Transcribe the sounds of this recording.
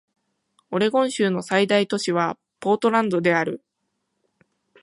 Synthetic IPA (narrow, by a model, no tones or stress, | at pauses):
o̞ɾe̞ɡõ̞ɰ̃ɕɨːno̞said̪ait̪o̞ɕiβ̞a | po̞ːt̪o̞ɾãnd̪o̞d̪e̞aɾɯ̟